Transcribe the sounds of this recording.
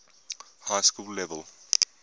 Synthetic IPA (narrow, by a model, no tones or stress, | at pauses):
haɪskuːlːɛʋəlˠ